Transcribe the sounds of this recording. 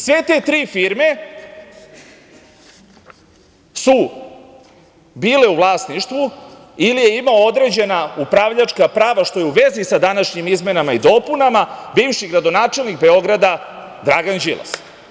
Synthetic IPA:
sʋe̞t̪e̞ːt̪ɾiːfiɾme̞ | su | biːle̞uvlˠaːsniʃt̪ʋu | ilije̞imaood̪ɾe̞d͡ʑe̞naupɾaʋʎat͡ʃkapɾaːʋaʃt̪o̞jeuʋe̞zisad̪anaʃɲimizme̞namaid̪o̞punamabiːʋʃiɡɾad̪o̞naːt͡ʃe̞lnikbe̞o̞ɡɾad̪a | d̪ɾaɡand͡ʒila̰s

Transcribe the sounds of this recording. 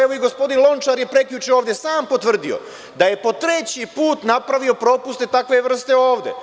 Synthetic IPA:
eʋoiɡo̞spo̞d̪inlˠo̞nt͡ʃaɾje̞pɾe̞kʎʲut͡ʃeoːʋd̪jesaːmpo̞t̪ʋr̩d̪io̞̰ | d̪aje̞po̞t̪ɾe̞t͡ɕipuːt̪napɾaʋio̞pɾo̞ːpust̪e̞t̪akʋe̞ʋr̩st̪e̞o̞ːʋd̪e̞̰

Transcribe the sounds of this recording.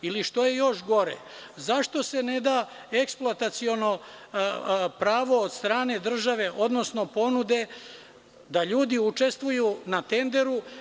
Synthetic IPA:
iliʃt̪o̞je̞jo̞ʃɡo̞ɾḛzaʃt̪o̞se̞ned̪a | eksplˠoat̪at̪sio̞no̞ | pɾaːʋo̞od̪st̪ɾaːne̞d̪r̩ʒaʋe̞ʔo̞d̪no̞sno̞po̞nud̪e̞ | d̪aʎuːd̪iut͡ʂe̞st̪ʋujunat̪e̞nd̪e̞ɾu

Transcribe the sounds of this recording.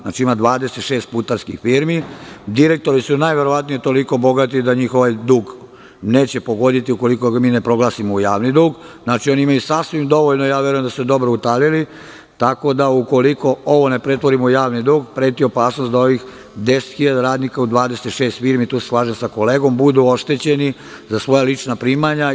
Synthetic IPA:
na̰ːt͡ʃiimad̪ʋaːd̪e̞set̪ʃeːst̪̚put̪aɾskḭxfiːɾmid̪iɾe̞k̚t̪o̞ɾisunajʋe̞ɾo̞ʋat̪nijet̪o̞liko̞bo̞ɡat̪id̪aɲiːxo̞ʋajd̪uːɡ | ne̞ːt͡ɕe̞po̞ɡo̞d̪it̪iukolikomiːne̞pɾo̞ɡlˠaːsimoujaːʋnid̪uːɡznaːt͡ʃioniimajusasʋimd̪o̞ʋoʎnoijaːʋjeɾujemd̪ased̪o̞bɾout̪alili | t̪ako̞d̪auko̞liko̞o̞ʋo̞ne̞pɾe̞t̪ʋo̞ɾimoujaːʋnid̪uːɡpɾe̞ːt̪io̞paːsnost̪d̪ao̞ʋix | d̪e̞set̪xiʎad̪aɾaːd̪nikaud̪ʋaːd̪e̞set̪ʃe̞ːst̪fiːɾmit̪uːseslˠaːʒemsako̞leːɡo̞mbud̪uo̞ʃt̪et͡ɕe̞ni | zasʋo̞jalit͡ʃnapɾiːmaɲa

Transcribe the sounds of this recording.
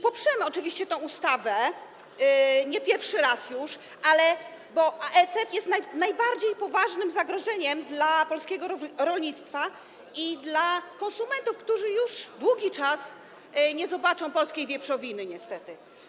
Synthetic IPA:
pɔpʂɛmɘɔt͡ʂɘvʲiɕt͡ɕɛt̪ɛ̃w̃ust̪avɛ | ɲɛpʲjɛɾfʂɘɾasjuʂ | ʔalɛ | bɔʔaʔɛsɛfjɛst̪najnajbaɾd͡ʑejpɔvaʐnɘmzaɡɾɔʐɛɲɛmd̪lapɔlskʲɛɡɔɾɾɔlɲit̪st̪fa | id̪lakɔnsumɛnt̪ufkt̪uʐɘjuʂd̪wuɡʲit͡ʂas | ɲɛzɔbat͡ʂɔ̃w̃pɔlskʲejvʲjɛpʂɔvʲinɘɲɛst̪ɛt̪ɘ

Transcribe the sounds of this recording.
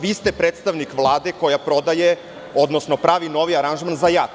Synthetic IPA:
ʋiːst̪epɾet̪st̪aʋnikʋlˠaːd̪eko̞japɾo̞d̪aje | od̪nosnopɾaːʋino̞ʋiaɾanʒmanzaja

